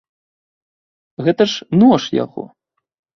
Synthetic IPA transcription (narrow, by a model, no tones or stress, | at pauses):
ɣɛt̪ɐʂnɔʂja̰ɣɔ̰